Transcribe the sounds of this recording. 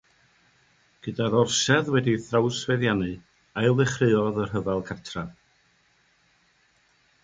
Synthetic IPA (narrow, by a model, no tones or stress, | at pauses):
ɡ̥ədaɾɔrsɛðwɛdiθrawsveðjanɨ | ajlˠvɪχrɨɔðərɦəvalˠkʰatʰra